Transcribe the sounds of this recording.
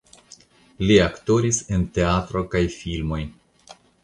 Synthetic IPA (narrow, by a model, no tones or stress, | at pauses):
liakto̞ɾisente̞atɾo̞kajfilmo̞j